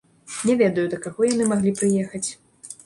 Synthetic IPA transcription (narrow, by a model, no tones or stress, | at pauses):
nʲɛvʲɛd̪ɐjud̪ɐkaɣɔjanɨmaɣlʲipɾɨjɛxɐt͡sʲ